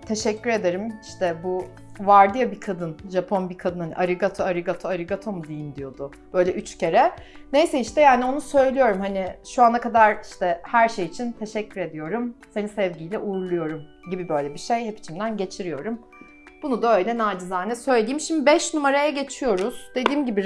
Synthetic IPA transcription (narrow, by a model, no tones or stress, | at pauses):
t̪ʰe̞ʃɛcːyɾe̞d̪eɾimiʃt̪ʰɛbu | vaɾd̪ijabikʰad̪ɯnʒapʰo̞nbikʰad̪ɯnɯʔa̰ɾiɡat̪ʰoaɾiɡat̪ʰoaɾiɡat̪ʰomud̪ijind̪ijo̞d̪ʊ | b̥ø̞jlʲɛʔyt͡ʃcʰe̞ɾɛne̞jsɛiʃt̪ɛjaːnio̞nusø̞jlʲijo̞ɾumhaniʃuanakʰad̪aɾiʃt̪ʰɛhæɾʃejit͡ʃʰint̪ʰe̞ʃɛcʰːyɾe̞d̪ijo̞ɾumse̞nisɛvɟiːjlʲɛʔuːɾlˠujo̞ɾum | ɟibibø̞jlʲɛbiʃejhɛpi̥t͡ʃʰimd̪ænɟe̞t͡ʃʰiɾijo̞ɾum | b̥unud̪aø̞jlʲɛnaːd͡ʒizaːnɛsø̞jlelʲijimʃimd̪ibɛʃnumaɾajaɟe̞t͡ʃʰijo̞ɾuz̥d̪̥e̞d̪iːmɟibi